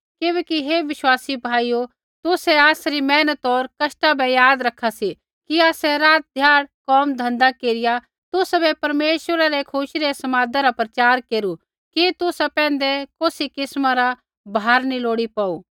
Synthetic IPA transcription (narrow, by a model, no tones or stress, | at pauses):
keːʋɛːkiɦeʋɪʃwaːsibʱaːijo | t̪ʊsɛaːsɾimɛːnət̪ɔːɾkɐʃʈabɛjaːd̪ɾɐkʰːasi | kiaːsɛɾaːt̪̚d̪ʱjaːɽkɔːmd̪ʱɐ̃nd̪akeːɾɪja | t̪ʊsbɛpɐɾmeːʃwəɾaɾekʰʊʃɾesɐmaːd̪aɾapɾɐt͡ʃaːɾkeːɾu | kit̪ʊsapɛ̃ːnd̪ekoːsikɪsmãɾa | bʱaːɾniloːɽipaːuː